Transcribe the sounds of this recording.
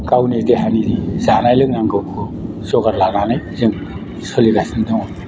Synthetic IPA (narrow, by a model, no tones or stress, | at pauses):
kawnedeɦanidizanajlɯŋnaŋɡɯkʰu | sɔɡaɾlananɯjzɯŋ | sɔliɡasɯndɯŋɔ